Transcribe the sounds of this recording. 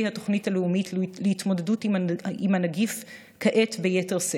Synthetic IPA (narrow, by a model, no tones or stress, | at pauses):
jhato̞χnithaleumitleitmo̞dedutimimanaɡif | kaʔetbejete̞ʁse